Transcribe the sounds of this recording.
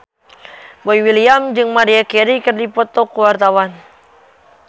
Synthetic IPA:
boiwiliamd͡ʒɨŋmaɾiakɛɾikɨrdipɔt̪ɔkəwart̪awan

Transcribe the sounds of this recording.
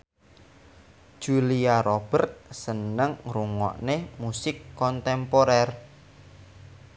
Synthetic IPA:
d̥ʒ̥uliaɾɔb̥ərt̪̚sənəŋruŋɔ̰ʔnemusɪkːɔnt̪ɛmpoɾɛr

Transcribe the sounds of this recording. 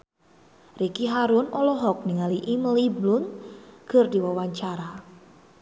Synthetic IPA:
rikiɦaɾʊnɔlɔɦɔk̚niŋaliʔimliblʊnkərdiwawaɲt͡ʃaɾa

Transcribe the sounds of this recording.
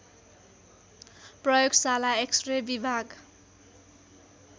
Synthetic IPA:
prʌjoɡsalaeksrebibʱaɡ

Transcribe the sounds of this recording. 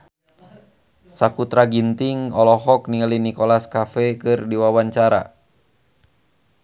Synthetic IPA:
sakut̪ɾaɡint̪iŋɔlɔɦɔk̚niŋalinikɔlaskafɛkɨrdiwawaɲt͡ʃaɾa̰

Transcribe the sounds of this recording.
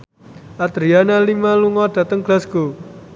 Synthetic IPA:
ʔad̪ɾianalimaluŋɔd̪̥ä̤t̪əŋɡ̥lasɡ̥o

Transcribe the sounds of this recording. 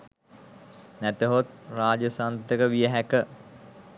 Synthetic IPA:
næt̪əɦot̪̚raːd͡ʒəsant̪əkəʋijəɦækə

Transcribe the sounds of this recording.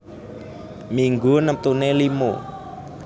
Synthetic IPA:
miŋɡunəp̚t̪unelimo̰

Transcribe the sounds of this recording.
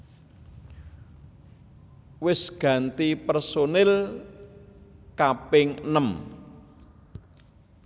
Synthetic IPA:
wɪsɡ̥ä̤nt̪ipərsonɪl | kapɪŋnəm

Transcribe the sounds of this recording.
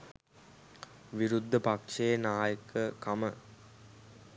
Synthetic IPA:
ʋiɾud̪ʱːəpakʂejənaːjəkəkɐmə

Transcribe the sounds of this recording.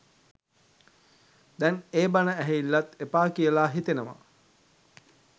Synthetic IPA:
d̪ɛneːbanəæɦeilːat̪epaːkijəlaːɦit̪enəʋa̰

